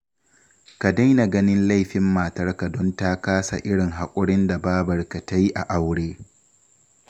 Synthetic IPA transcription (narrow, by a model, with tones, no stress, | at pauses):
ka˨da˦jna˨ɡɐ˦nɪ˦nla˦˨jɸɪ˨mːaː˨tɐ˦rka˨dɔ˦ntaː˦kaː˦sa̰˨ʔɪ˦ɽɪ˨ŋɦa˨kʷʼʊ˦ɽɪ˦nda˨baː˦bɐ˨rka˨ta˦ji˦ʔa˨ʔa˦wɽeː˦